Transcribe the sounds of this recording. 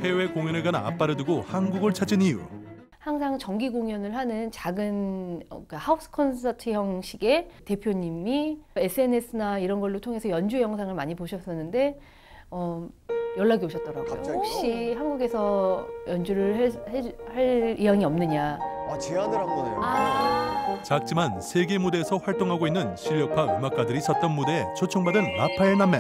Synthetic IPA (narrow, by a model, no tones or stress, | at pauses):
he̞we̞koŋjʌnɯɭɡanaa̰p͈aɾɯduɡohanɡuɡɯɭt͡ɕʰad͡ʑinijṵ | haŋsʰaŋt͡ɕʌŋɡiɡoŋjʌnɯɭɦanɯnt͡ɕaɡɯnʌ̰k͈ahaos͈ʰɯ̥kʰʌnsʰʌtʰɯjʌŋɕ͈ʰiɡe̞te̞pʰjoɲimie̞s͈ʰɯe̞ne̞sʰɯnaiɾʌnɡʌɭːotʰoŋe̞sʰʌjʌnd͡ʑujʌŋsʰaŋɯɭmaɲipoɕʰʌs͈ʌnːɯnde̞ | ʌjʌɭːaɡioɕʰʌt̚t͈ʌɾa̰ɡo̰jo̰op̚ɕ͈ihanɡuɡe̞sʰʌjʌnd͡ʑuɾɯɭhehaɭiɦaŋiʌmnɯɲat͡ɕeanɯɾanɡʌea | t͡ɕak̚t͡ɕ͈imansʰe̞ɡemude̞ːsʰʌɸwaɭt͈oŋɦaɡoinːɯnɕʰiɭjʌk̚pʰaɯmak͈̚adɯɾisʰʌt̚t͈ʌnmude̞et͡ɕʰot͡ɕʰoŋbadɯnːapʰaenamːe